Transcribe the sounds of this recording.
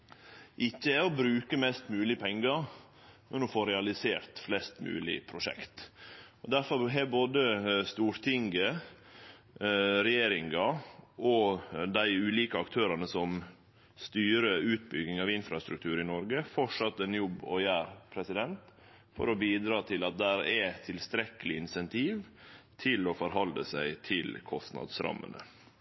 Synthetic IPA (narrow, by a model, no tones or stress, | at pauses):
ʔɪçːəæɔbɾʉːkəmɛst̪mʉːlɪpʰɛŋɡɑ | nʊnɔfoːɾɛɑlɪseːɾt̪flɛst̪mʉ̰ːlɪ̰pʰɾʊʂɛ̰kt̪ɔd̪æɾfɔɾɦɛboːd̪əst̪uːɾt̪ʰɪŋɡə | ɾɛjeːɾɪŋɑʔɔd̪æɪʉːliːkəɑkt̪ʰøːɾɑnəsɔm | st̪yːɾəʉːt̪̚bʏɡɪŋɑʋɪnfɾɑst̪ɾʉk̚t̪ʰʉːɾɪnɔɾɡəfɔʂɑt̪ːɛnjɔbːɔ̰jæːɾpʰɾɛsɪd̪ɛnt̪ | fɔ̰ɾɔbiːd̪ɾɑːt̪ʰɪlɑt̪̚d̪æɾɛt̪ʰɪlst̪ɾɛkəlɪɪnsɛnt̪ʰiːʋt̪ʰɪlɔfɔɾɦɑld̪ə̰sæɪt̪ʰɪlkʰɔst̪nɑ̰d̪sɾɑ̰mːə̰nə̰